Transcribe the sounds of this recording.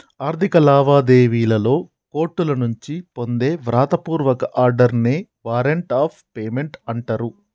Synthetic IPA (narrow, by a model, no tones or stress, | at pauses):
aːɾt̪ikɐlaːʋaːd̪e̞ːʋiːlɐlo̞ː | ko̞ːʈːulɐnuɲt͡ʃipo̞nd̪e̞ːʋɾaːt̪ɐpuːɾʋɐkɐʔaːɾɖɐɾneː | ʋaːɾeɳʈaːpʰpeːme̞ɳʈɐɳʈɐɾu